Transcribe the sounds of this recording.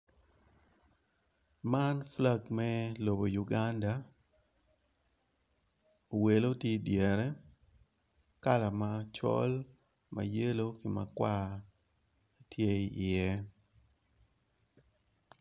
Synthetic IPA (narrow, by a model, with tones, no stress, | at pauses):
ma˦nfla˦ɡmɛ˦lo˨bo˨ju˨ɡa˦nda˨ | o˨we˨lo˦tje˦djɛ˨ɾɛ˦ | ka˦la˨mat͡ʃɔ̰˦l | ma̰˨je˦lo˦kɪ˨ma̰˨kwa˦ | tje˦˨ɪ˨jɛ˦